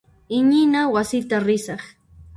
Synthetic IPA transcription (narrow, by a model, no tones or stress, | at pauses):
ɪɲɪnawasɪt̪aɾɪsɑχ